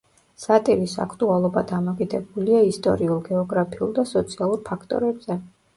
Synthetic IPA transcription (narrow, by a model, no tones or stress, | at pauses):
sat̪ʼivisa̰kʰt̪ʼualˠɔbad̪amɔkʼid̪ɛbuliaist̪ʼɔ̰ɾiulˠɡɛɔɡɾapʰiulˠd̪asɔt̪sʰialˠuɾpʰakʰt̪ʼɔ̰ɾɛbz̥ɛ